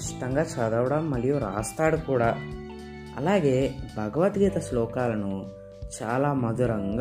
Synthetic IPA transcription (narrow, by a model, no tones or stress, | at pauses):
st̪ɐŋɡat͡ʃaːd̪ɐʋɽɐmːɐlːijuɾaːst̪aːɽukuːɽɐ | ɐ̰lːaːɡeːbʱɐɡɐʋɐt̪ɡiːt̪ɐslɔːkaːlɐnu | t͡ʃaːlaːmɐd̪uɾɐŋɡ